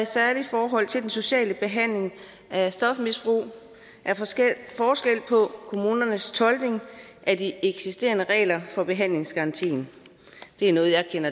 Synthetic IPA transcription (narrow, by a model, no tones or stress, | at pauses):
sæɐli̥fɒːɦɒ̽l̰t͡sʰe̝ld̥enso̝ɕɛ̰ːləb̥e̝ɦæn̰le̝ŋ | ʔæsd̥ɒ̽fmisb̥ʁṵː | ʔæɐfɒːsɡ̥el̰pʰɒ̽kʰo̝muːnɐnəst͡sʰɒ̽ld̥ne̝ŋ | ʔædieɡ̥sisd̥e̝̰ːɐnəʁɛ̰ːlɐfɒ̽b̥e̝ɦæn̰le̝ŋsɡ̥ɑ̈ɑ̈nt͡sʰḭːn | d̥e̝æɐnɔ̽ːð̞̩jɑ̈kʰen̰ɐ